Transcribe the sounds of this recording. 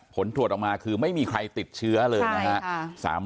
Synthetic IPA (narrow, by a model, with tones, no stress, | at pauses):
pʰo˩˦nt̪ʰu˨˩ət̪̚ʔɔ˨˩maː˧kʰɯː˧ma˥˩jmiː˧kʰɾa˧jt̪i˨˩t̪̚t͡ɕʰɯ˦˥ɐlɤː˧jna˦˥ɦa˦˥sa̰ː˩˦m